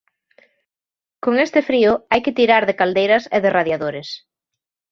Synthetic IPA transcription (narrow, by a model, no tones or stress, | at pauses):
koŋest̪ɪfɾiʊajkɪt̪iɾaɾðɪkald̪ejɾɐsɪðɪraðjaðoɾɪs